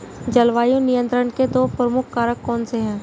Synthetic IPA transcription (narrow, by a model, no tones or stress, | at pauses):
d͡ʒɐlʋaːjõnɪjə̃nt̪ɾəɳked̪oːpɾəmʊkʰːaːɾəkːɔːnseɦɛ̃ː